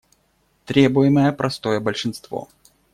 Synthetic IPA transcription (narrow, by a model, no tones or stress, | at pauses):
t̪ɾʲe̞bʊjɪməjəpɾʔɐst̪o̞jəbəlʲʂɨnst̪vo̰